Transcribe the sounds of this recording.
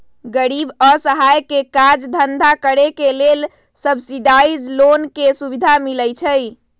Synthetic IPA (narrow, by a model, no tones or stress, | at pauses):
ɡəɾibəsəɦajkekad͡ʒd̪ʱənd̪ʱakəɾekelel | səbsiɖaid͡ʒlonkesubid̪ʱamiləjt͡ʃʰəj